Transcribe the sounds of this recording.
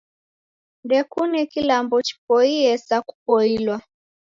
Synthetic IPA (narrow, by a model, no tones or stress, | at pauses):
ndɛkunɛkilambɔt͡ʃi̥pɔiɛsaku̥pɔilwa